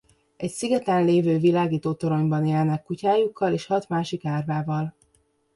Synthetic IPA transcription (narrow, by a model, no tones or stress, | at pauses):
ɛcsiɡɛt̪ɛnleːvøːvilaːɡiːt̪oːt̪o̞ɾo̞ɲbɒneːlnɛkːucaːjukʰːɒleːʃhɒt̪maːʃikaːrvaːvɒl